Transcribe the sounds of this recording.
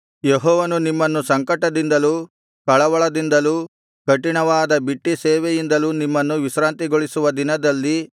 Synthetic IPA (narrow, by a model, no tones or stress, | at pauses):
jeɦɔːʋɐnunimːɐnːusɐŋkɐʈːɐd̪ind̪ɐluː | kɐɭɐʋɐɭɐd̪ind̪ɐluː | kɐʈiɳɐʋaːd̪ɐbiʈːiseːʋejind̪ɐluːnimːɐnːuʋisɾaːnt̪iɡoɭisuʋɐd̪inɐd̪ɐlːi